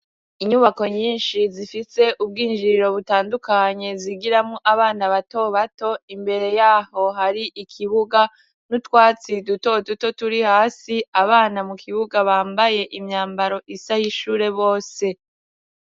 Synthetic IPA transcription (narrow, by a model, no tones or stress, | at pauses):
iɲuβako̞ɲiːnʃizifise̞ʔub̚ɡiːnd͡ʒiɾɾo̞βutaːndukaɲe̞ziɡiɾamŋoʔaβaːnaβato̞βato̞imbe̞ɾe̞jaːho̞ɦaɾiʔikʰiβuɡa | nutwaːt͡siduto̞duto̞tuɾihaːsiaβaːnamukʰiβuɡaβaːmbaje̞ʔimɲaːmbaɾo̞ʔisajiʃuːɾe̞βo̞ːse̞